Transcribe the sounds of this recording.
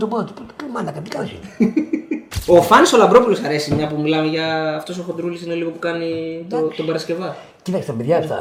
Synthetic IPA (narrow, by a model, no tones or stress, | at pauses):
t̪obɐt̪i̥pot̪klimɐnd̪ɐkɐnt̪i̥kɐlsḭ | o̞fɐniso̞lɐmbɾo̞pulosɐɾe̞simɲɐpumilɐmeʝɐːft̪o̞soxond̪ɾulisine̞liɣo̞pukɐnit̪ot̪o̞bɐɾɐsce̞vɐ | cit̪ɐkst̪ɐpeðʝɐeft̪ɐ̰